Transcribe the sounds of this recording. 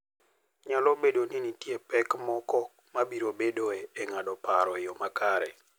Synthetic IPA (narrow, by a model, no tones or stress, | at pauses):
ɲalɔbedoninitjepɛkmɔkɔ | mabiɾobedoeeŋadɔpaɾɔjɔmakaɾɛ̰